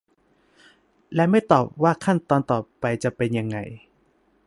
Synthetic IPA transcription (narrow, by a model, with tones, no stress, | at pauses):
lɛː˦˥wma˥˩jt̪ɔː˨˩p̚waː˥˩kʰa˥˩nt̪ɔː˧nt̪ɔː˨˩pa˧jt͡ɕa˨˩pe˧nja˧ŋːa̰˧j